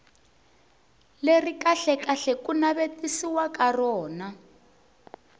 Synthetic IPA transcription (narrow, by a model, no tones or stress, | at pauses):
lerikaɬɛkaɬɛkunaβetisiwakarɔːna